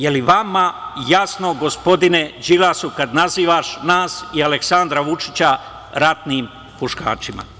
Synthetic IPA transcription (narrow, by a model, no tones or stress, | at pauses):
jeliʋamajasno̞ɡo̞spo̞d̪ine̞d͡ʑilasukad̪naziːʋaʃnaːsialeksand̪ɾaʋut͡ʃit͡ɕa | ɾat̪niːm | puʃka̰ːt͡ʃima̰